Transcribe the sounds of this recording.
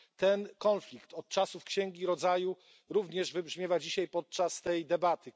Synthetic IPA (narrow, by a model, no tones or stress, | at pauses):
t̪ɛnkɔnflʲikt̪ɔt̪̚t͡ʂasufkɕɛŋɡʲiɾɔd̪zaju | ɾuvɲɛʐvɘbʐmʲjɛvad͡ʑiɕajpɔt̪̚t͡ʂast̪ɛjd̪ɛbat̪ɘ